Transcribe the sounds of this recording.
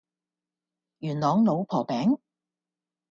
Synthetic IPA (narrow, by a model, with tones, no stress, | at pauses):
jyː˨˩nlɔː˨˧˥ŋlo˨˧wpʰɔː˨˩pɛː˨˥ŋ